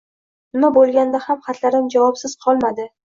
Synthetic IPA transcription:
nɪmabolˠɡʲand̪ahamχɑt̪ʰlaɾɪmd͡ʒavɒpsɪz̥qʰɒlˠmad̪ɪ

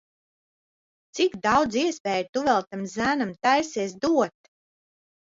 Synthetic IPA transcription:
t̪sikd̪ɑwd̪ziɛspɛːjt̪uvɛlˠt̪amzæːnamt̪ajsɛːs̬d̪uɔt̪

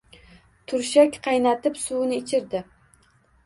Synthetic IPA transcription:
t̪ʰʊɾʃakʲqʰɑjnat̪ɪpsunɪːt͡ʃʰɪɾd̪ɪ

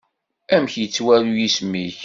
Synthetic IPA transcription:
æmçjət͡sːwælujismːiç

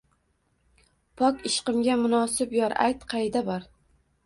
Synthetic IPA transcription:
pʰɒkʲɪʃqɨmɡʲamʊnɒsɪpjɒɾʔa̰jt̪qʰɑjd̪abɒɾ

